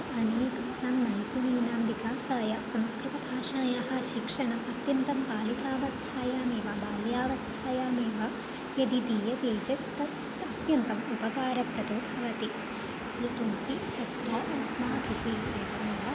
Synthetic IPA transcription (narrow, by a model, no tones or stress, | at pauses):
ɐneːk̪ɐsaːmnɐjpuniːnaːmʋikaːsaːjɐsɐmskɾɪt̪ɐbʱaːʃaːjaːɦɐ̆ʃikʂɐɳɐmʔɐt̪jɐnt̪ɐmpaːlikaːʋɐst̪ʰaːjaːmeːʋɐbaːljaːʋɐst̪ʰaːjaːmeːʋɐ | jɐd̪id̪iːjɐd̪eːd͡ʒɐt̪ɐt | ɐt̪jɐnt̪ɐmupɐkaːɾɐpɾɐt̪oːbʱɐʋɐt̪i | jɐt̪unt̪it̪ɐt̪ɾɐːʔɐsmaːbʱitiːt̪ɐɐnɐʋɐ